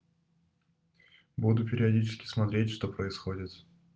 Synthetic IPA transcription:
bud̪ʊpʲɪɾʲɪɐdʲit͡ɕɪ̥skʲɪ̥smɐt̪ɾʲetʲʂt̪o̞pɾəɪsxo̞dʲɪt̪

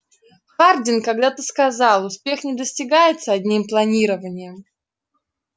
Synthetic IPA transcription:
xardʲɪnkɐɡ̚d̪at̪ɨskɐzɑlˠʊspʲe̞xnʲɪd̪əsʲtʲɪɡajɪt̪səɐdʲnʲimplˠɐnʲiɾəvənʲɪjəm

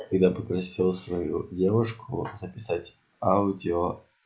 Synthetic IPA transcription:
kɐɡd̪apəpɾɐsʲilˠsvɐjṵdʲe̞vʊʂkʊ̰zəpʲɪsatʲ | aʊdʲɪo

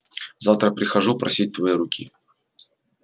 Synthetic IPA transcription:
zaft̪ɾəpɾʲɪxɐʐupɾɐ̰sʲit̚ʲt̪vɐjiɾʊkʲʰḭ

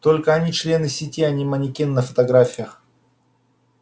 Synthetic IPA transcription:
t̪o̞lʲkəɐnʲit͡ʃlʲe̞nɨsʲɪtʲiɐnʲimənʲɪkʲinːəfə̥t̪ɐɡɾafʲɪjəx

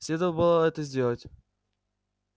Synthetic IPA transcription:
sʲlʲed̪əvəlbɨlˠəɛt̪əzʲdʲelˠətʲ

